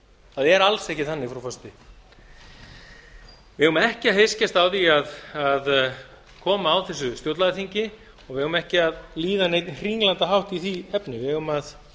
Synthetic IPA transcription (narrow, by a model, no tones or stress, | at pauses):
θaðɛɾalsɛhcɪθanːɪfɾɔfɔst̪ɪ | vɪʏmaɛhcɪaðhejscast̪awθiaðað | kʰɔːmaːwθɛsːʏst̪jowt̪laðɪθiɲcɪ | ɔɣvɪhʏmɛhcɪaðliːðanejt̪hriŋlant̪aɦawht̪iθiɛpnɪvɪʏmað